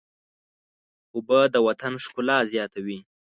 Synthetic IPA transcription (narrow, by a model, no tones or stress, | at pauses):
ʊbəd̪əwat̪anʂkʊlɑzjɑt̪awi